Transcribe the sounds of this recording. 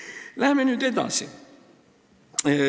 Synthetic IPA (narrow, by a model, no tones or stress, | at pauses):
læhmenyd̪ed̪ɑ̰̃sḭ